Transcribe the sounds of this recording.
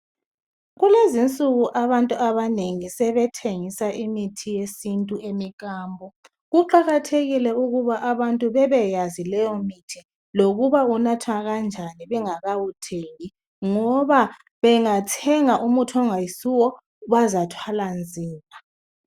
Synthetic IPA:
ɣulezint͡sʼuɣuʔaβantʼuaβaneŋisɛβɛtʰeŋisaʔimitʰijesintʼuʔemiɣaːmbʱɔ | ɣuǃaɣatʰeɣilɛuɣuβaʔaβantʼuβɛβɛjazilɛjɔmitʰi | loɣuβaunatʰwaɣand͡ʒʱaniβɛŋaɣawutʰeŋi | ŋɔβa | βɛŋatʰɛŋaʔumutʰɔŋajisuwɔ | βazatʰwaland͡zʱiːma

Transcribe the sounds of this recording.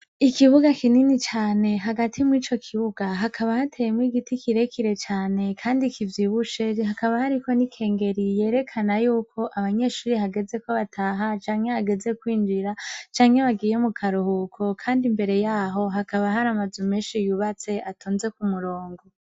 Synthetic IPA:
ikiβuɡakininit͡ʃaːne̞ɦaɡatʰimwiːt͡ʃo̞kʰiβuɡaɦakʰaβahatʰejemwiɡitikiɾe̞kʰiɾe̞t͡ʃaːne̞kʰaːndikʰivjiβut͡ʃe̞hakaβahaɾiko̞nikʰe̞ːŋɡe̞ɾije̞ːɾe̞kʰanajuːkʰo̞ʔaβaɲe̞ʃuːɾiɦaɡe̞ze̞ko̞βatʰaːɦat͡ʃaːŋhe̞aɡe̞ze̞kwiːnd͡ʒiɾat͡ʃaːŋhe̞βaɡiːje̞mukʰaɾuhukʰo̞kʰaːndimbe̞ɾe̞jaːɦo̞ɦakaβaɦaɾamazumeːnʃijuβat͡se̞atʰoːnze̞kumuɾoːŋɡo

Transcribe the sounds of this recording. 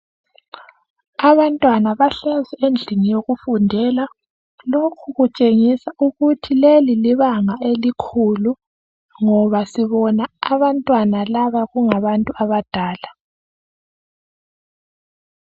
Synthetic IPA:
aβantʼwanaβaɬɛzɛend͡ɮʱiŋijoɣufundʱɛla | lokʰuɣut͡ʃʼeŋisauɣutʰileliliβaŋaelikʰulu | ŋɔβasiβɔnaaβantʼwanalaβaɣuŋaβantʼuaβad̥ʱaːla

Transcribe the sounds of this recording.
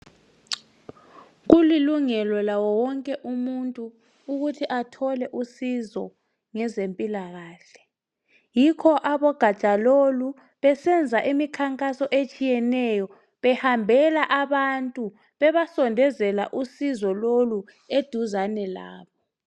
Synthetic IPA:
ɣuliluŋɛlɔlawɔwɔŋkʼɛʔumuntʼuː | ɣutʰiʔatʰɔlɛʔusizɔ | ŋɛzempʼilaɣaːɬɛ̥ | jikʰɔʔaβɔɡ̥ʱḁt͡ʃʼalolu | βɛsɛnd͡zʱaʔimikʰaŋkʼasɔʔet͡ʃʼijɛnɛjɔ | βɛhambʱɛlaʔaβantʼu | βɛβasɔndʱɛzɛla̰ʔusizɔlolu | ed̥ʱuzanɛla̰ːβɔ

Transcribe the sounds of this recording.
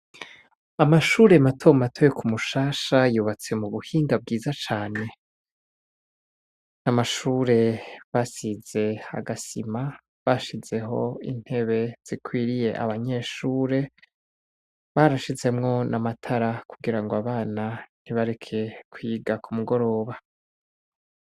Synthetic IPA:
amaʃuːɾe̞matʰomatʰojekumuʃaːʃajuːβat͡se̞muβuhiːŋɡab̚ɡiːzat͡ʃaːne̞ | namaʃuːɾe̞βasize̞a̰ɡasima | βaʃize̞ɦo̞̰ḭn̥he̞βe̞z̥ikʰwiːɾije̞ʔa̰βaɲe̞ʃuːɾe̞ | βaɾaʃize̞mŋo̞nʔamatʰaɾakuɡiɾaŋɡoaβaːnan̥iβaɾekʰe̞kwiːɡakumuɡo̞ɾo̞ːβa

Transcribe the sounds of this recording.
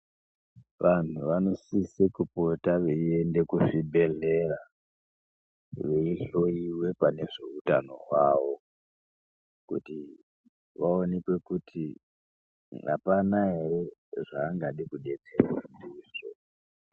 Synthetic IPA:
ʋan̤uʋano̞sisikupo̞taʋeie̞nde̞kufibʱe̞ɮe̞ra | ʋeiɬo̞iwe̞pane̞ʐe̞utano̞̰waːʋo̞ | kṵti | ʋaonekwe̞kutʰi | a̰panaɦe̞re̞ʐaːŋɡaɗikuɗe̞t͡serwandiiʐo̰

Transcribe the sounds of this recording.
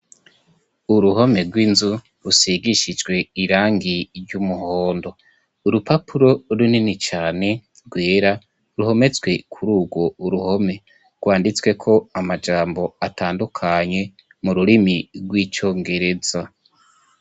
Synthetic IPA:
uɾuho̞me̞ɾɡwiːnzu | ɾusiɡiʃid͡ʒɡwe̞iɾaːŋɡiɾɟumuhoːndo̞ | uɾupapʰuɾo̞ɾuninit͡ʃaːne̞ | ɾɡwe̞ːɾa | ɾuho̞me̞t͡sɡwe̞kʰuɾuːɡwo̞uɾuho̞me̞ | ɾɡ̥waːndit͡swe̞kʰo̞amad͡ʒaːmbo̞ataːndukʰaɲe̞ | muɾuɾimiɾɡwiːt͡ʃo̞ːŋɡe̞ɾe̞z̥a

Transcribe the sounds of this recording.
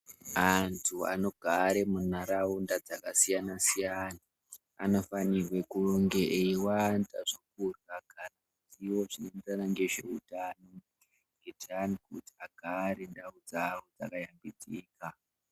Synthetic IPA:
antʰua̰no̞ɡ̥ʱaɾe̞mun̤aɾaundad͡zakasijanasijana̰ː | no̞fanirwe̞kuruŋɡeʔeiwantaʐok̚uraɡ̥ʱarakutiwo̞ʐinend͡zanaŋɡe̞ʐe̞̰utano̞ | ŋɡ̥etʰanikuti̥aɡ̥ʱaɾendaud͡zawod͡za̰kajambid͡ziːka

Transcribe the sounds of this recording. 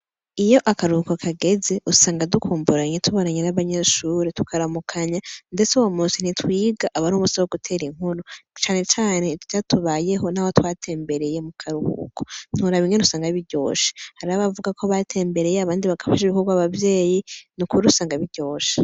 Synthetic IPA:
ijo̞ʔakaɾuhukokʰaɡe̞ze̞ʔusaːŋɡadukʰuːmbuɾaɲetʰuβonaɲenaβaɲe̞ːʃuɾetu̥kʰaɾamukʰaɲande̞t͡seuwomuːnsin̥itwiːɡaʔːβaɾuːmusiwoɡutʰe̞ːɾiŋ̥huɾot͡ʃaːne̞t͡ʃaːne̞tcatuβaːje̞ɦo̞naːwotwaːtʰe̞ːmbe̞ɾe̞je̞mukʰaɾuhṵːko̥n̥huɾaβiŋenusaːŋɡaβiɟo̞̰ːʃe̥haɾaaβavuɡakʰo̞βaːtʰe̞ːmbe̞ɾe̞jeaβaːndiβaɡafaʃiβikoɾɡwaːβavje̞ːjinukuɾusaːŋɡaβiɟo̞ːʃḁ

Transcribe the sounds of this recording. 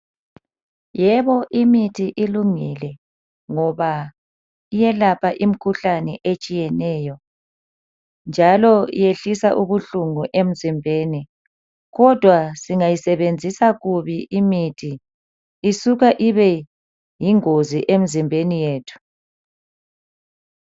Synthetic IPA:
jɛβɔʔimitʰiʔiluŋilɛ | ŋɔβa | ijɛlapʰaʔim̩kʰuɬanɛʔet͡ʃʼijɛnɛːjɔ | nd͡ʒʱalɔḭjeɬisaʔuβuɬuŋuʔem̩zimbʱeːni | ɣɔd̥ʱwasiŋajisɛβend͡zʱisaɣuβiʔimitʰiː | suɣaʔiβɛ | jiŋoziʔem̩zimbʱenijeːtʰu̥

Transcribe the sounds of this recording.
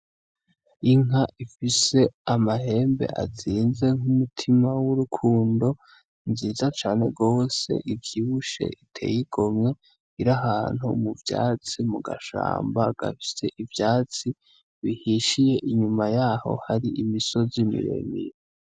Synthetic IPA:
iŋɦaʔifise̞amahe̞ːmbe̞̰ʔa̰ziːnze̞ŋumutʰimawuɾukʰuːndo̞ | nziːzat͡ʃaːne̞ɡo̞ːse̞̰ʔivjiːβuʃe̞̰ʔitʰe̞̰jiɡ̥o̞mɲe̞ | iɾaɦaːn̥hṵmuvja̰ːt͡simuɡa̰ʃa̰ːmbaɡ̥a̰fi̥se̞ʔivjaːt͡si | βihiʃije̞ʔiɲumajaːho̞̰haɾiʔimiso̞zimḭɾḛmḭɾe

